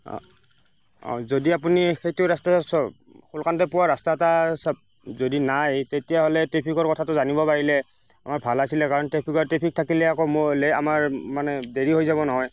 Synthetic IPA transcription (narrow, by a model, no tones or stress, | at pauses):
ɔ̰zodiap̬unixejtʊɹastasɔ | xulkantɔpʊwaɹastatasab̚ | zodinajtetijaɦolɛtɹepʰikɔɹkɔtʰatʊzanibɔpaɹilɛ | a̰maɹbʱalasilɛkaɹɔntepʰikɔɹtepʰik̚tʰakilɛakɔmolea̰maɹmanɛdeɹiɦojzabɔnɔɦɔj